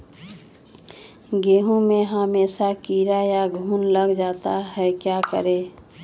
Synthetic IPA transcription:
ɡeːɦõmẽɦameːʃakiːɾajaɡʱuːnləɡd͡ʒaːt̪aɦɛkjaːkə̰ɾeː

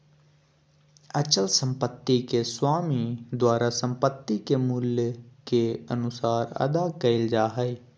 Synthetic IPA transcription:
ət͡ʃəlsə̃mpət̪ːikeswaːmid̪waːɾasə̃mpət̪ːikemʊljkeə̰nʊsaːɾə̰d̪akəɪld͡ʒaːɦə

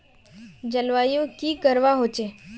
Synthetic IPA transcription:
d͡ʒəlʋajõkiːkəɾʋaɦot͡ʃe

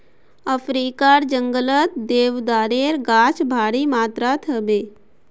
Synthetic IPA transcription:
əfʰɾiːkaːɾd͡ʒəŋɡələt̪d̪eːʋd̪aːɾeːɾɡaːt͡ʃbʱaːɾiːmaːt̪ɾat̪ʰəbeː

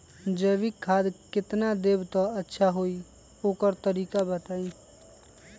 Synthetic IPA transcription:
d͡ʒəʋikkʰːaːd̪kɪt̪nad̪eːbt̪oətːʃʰaɦoi | oːkəɾt̪əɾiːkabət̪aːiː

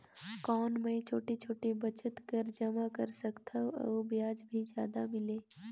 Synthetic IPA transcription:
kɔːnmẽt͡ʃʰoːʈit͡ʃʰoːʈibɐt͡ʃət̪kəɾd͡ʒɐmakɐɾsəkt̪ʰaɔ̰bjaːd͡ʒbʱid͡ʒjaːd̪amɪleː

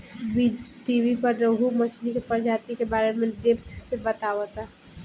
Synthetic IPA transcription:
bid͡ʒʈibipəɾɾəɦuməslikepəɾd͡ʒat̪ikebaɾemẽɖept̪sebət̪awət̪a

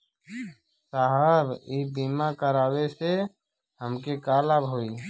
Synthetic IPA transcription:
saːɦəbiːbiːmakəɾaːwese | ɦəmkekaːlaːbɦoːiː

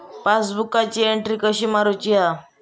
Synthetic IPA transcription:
pasbukat͡ɕiːeɳʈɾiːkəɕiːmaɾut͡ɕia

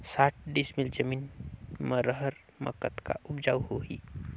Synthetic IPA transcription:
saːʈ̚ʰɖɪsmɪld͡ʒəmiːnməɾəɦəɾ | mɐ̰kət̪ka̰ʔʊbd͡ʒaːwhoɦḭː

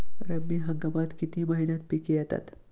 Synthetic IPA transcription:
ɾəbiɦɐŋɡamat̪kit̪imaɦinat̪̚pikiat̪a̰t̪

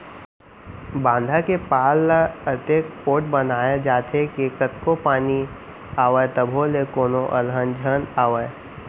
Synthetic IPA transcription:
bãːnd̪ʱakepaːlːaət̪ekpoːʈ̚bənaːjad͡ʒaːt̪ʰekekət̪kopaːni | aːʋət̪əbʱolekoːnoʔɐlɦənd͡ʒʱənaːʋəe

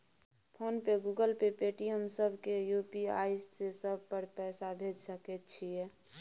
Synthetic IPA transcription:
pʰoːnpeɡuɡəlpepeʈiɦəmsəbʱkejupia̰ːɪssesəb̚ʱpəɾpɛːsabʱed͡ʒsəket̪t͡ʃʰie

